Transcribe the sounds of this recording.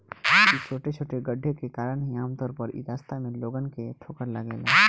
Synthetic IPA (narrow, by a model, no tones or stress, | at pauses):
kit͡ʃʰoːʈet͡ʃʰoːʈeɡəɖʱːekekaːɾəɽɦiaːmt̪ɔːɾpəɾɪ̰d̪aːst̪ʰamẽloːɡənkeʈʰoːkəɾlaɡeːla̰ː